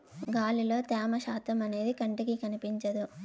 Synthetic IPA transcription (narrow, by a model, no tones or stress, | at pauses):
ɡaːlilo̞ːt̪ɛːmɐʃaːt̪ɐmɐne̞ːd̪ikɐɳʈikikɐnipiɲt͡ʃɐd̪u